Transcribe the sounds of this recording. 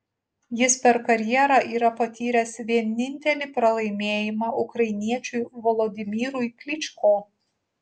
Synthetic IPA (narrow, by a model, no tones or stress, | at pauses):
jɪspʲɛɾkɐɾʲjiɛɾɑʔiːɾɐpɐt̪ʲiːɾʲɛsʋʲiɛnʲɪnʲt̪ʲɛlʲiːpɾɐlˠɐɪmʲeːjɪmɑːʔʊkɾɐɪnʲiɛt͡ʃʲʊjʋɔlˠɔd̪ʲɪmʲiːɾʊjkʲlʲɪt͡ʃʲkoː